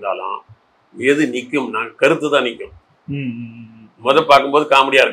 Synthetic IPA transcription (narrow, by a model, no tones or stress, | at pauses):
d̪a̰ːlã̰ː | ɛðɯnɪkːɯmnaːkɐɾɯt̪ːɐt̪ːãːnɪkːɐ̃ | mɔðɐ̃paːɾkɯmpboːðɯkaːmɐɽɪjaːɪɾɯk